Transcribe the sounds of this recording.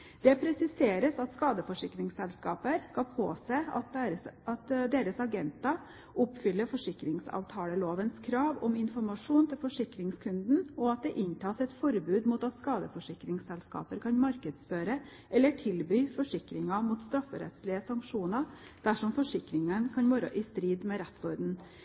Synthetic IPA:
d̪̥ɛpʰɾɛsɪseːɾəsɑt̪skɑːd̪əfɔʂɪkɾɪŋsɛlskɑ̰ːpəɾskɑpʰo̰ːseːɑt̪ɑt̪d̪eːɾəsɑɡɛnt̪ɑ | ʊpːfʏlːəfɔʂɪkɾɪŋsɑ̰ːʋt̪ʰɑːləloːʋənskʰɾɑːʋɔmɪnfɔɾmɑʂuːnt̪ʰɪlfɔʂɪkɾɪŋskʰʉnd̪n̩ɔɑt̪̚d̪ɛʔɪnt̪ʰɑːsɛt̪fɔɾbʉːd̪muːt̪ɑt̪skɑːd̪əfɔʂɪkɾɪŋsɛlskɑ̰ːpəɾkʰɑnmɑɾkəd̪sføːɾə | ʔɛlːəʈʰɪlbyːfɔʂɪkɾɪŋɑmuːt̪st̪ɾɑfəɾɛ̰t̪slɪəsɑŋkʂuːnɑ | d̪̥æʂɔmfɔʂɪkɾɪŋənkʰɑnʋoːɾəʔɪst̪ɾiːd̪mɛɾɛt̪sɔɾd̪n̩

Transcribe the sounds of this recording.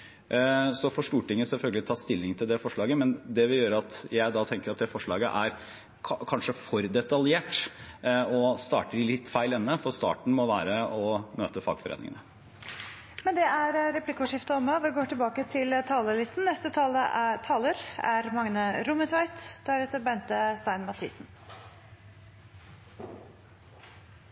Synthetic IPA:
sɔfɔʂʈuːʈɪŋːəsɛlfœlɡəlɪt̪ʰɑːst̪ɪlːɪŋt̪ʰɪld̪ɛfɔʂɭɑːɡəmɛnd̪ɛʋɪljøːɾəɑt̪jæɪd̪ɑt̪ʰɛŋkəɾɑt̪̚d̪ɛfɔʂɭɑ̰ːɡə̰ʔæɾʰ | kʰɑnʂəfɔɾd̪ɛt̪ɑljeːʈ | ɔst̪ɑ̰ːʈəɖɪlɪt̪ːfæɪlɛnːəfɔɾst̪ɑ̰ːʈɳ̩mɔʋæ̰ːɾəɔmøːt̪əfɑ̰ːɡfɔɾḛːnɪ̰ŋə̰nə | mɛnd̪ɛʔæɾɾɛplɪkʊʂɪft̪əɔməʋɪɡoːʈɪlbɑːkət̪ʰɪlt̪ʰɑːləlɪst̪n̩nɛst̪ət̪ʰɑːləʔæt̪ʰɑːləɾæɾmɑŋnəɾʊmət̪ʰʋɑɪt̪d̪̥æɾɛt̪əɾbɛnt̪əst̪æɪnmɑt̪ʰḭːsn̩

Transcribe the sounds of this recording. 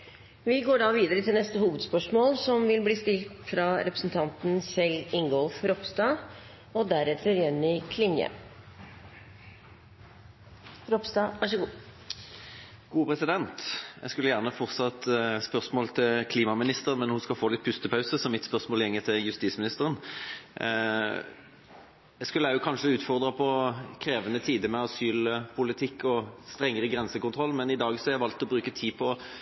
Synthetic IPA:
ʋɪɡoːɖɑːʋiːd̪əɾət̪ʰɪlnɛst̪əhuːʋəd̪spœʂmoːlsɔmʋɪlbliːst̪ɪlt̪fɾɑɾɛpɾə̥sn̩t̪ʰɑnt̪n̩sɛlɪŋɡɔlfɾɔpst̪ɑː | ɔd̪æɾɛt̪ʰəɾjɛnːɪkʰlɪnjə̰ | ɾɔpst̪ɑʋɑʂəɡuː | ɡ̥uːpʰʁɛsɪd̪ɛnt̪jæ̰ɡskʉləjæːʁnəfɔʁt̪sɑt̪spœʁsmoːlt̪ʰɪlkʰliːmɑmɪnɪst̪əənmɛnhʊskɑlfoːlɪt̪̚pʰʉst̪əpʰɑʉsəsɔmːɪt̪spœʁsmoːljɛŋːət̪ʰɪljʉst̪iːsmɪnɪst̪əɾən | jæɪskʉlːəækʰɑnʂəʉːt̪fɔʁd̪ʁɑpʰɔkʰɾeːʋənət̪ʰiːd̪əmɛɑsyːlpʰʊlɪt̪ʰɪkːɔst̪ɾɛŋːəɾəɡɾɛnsəkʊnt̪ʁɔlːmɛnɪd̪ɑːɡsɔhɑɾjɛɪʋɑlt̪ːɔbɾʉːkət̪ʰiːpʰɔ

